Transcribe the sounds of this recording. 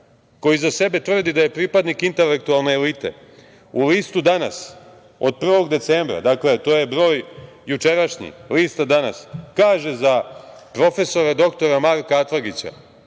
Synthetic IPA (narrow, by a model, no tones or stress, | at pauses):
ko̞jizase̞be̞t̪ʋr̩d̪id̪aje̞pɾipad̪nikint̪e̞le̞k̚t̪ualˠne̞ːlit̪e̞̰ | uliːst̪ud̪ana̰s | od̪̚pr̩ʋo̞ɡd̪e̞t̪seːmbɾa̰d̪akle̞t̪o̞jebɾo̞ːj | jut͡ʂe̞ɾaʃɲḭliːst̪ad̪ana̰skaːʒezapɾo̞fe̞so̞ɾad̪o̞kt̪o̞ɾamaɾkaat̪laɡit͡ɕa̰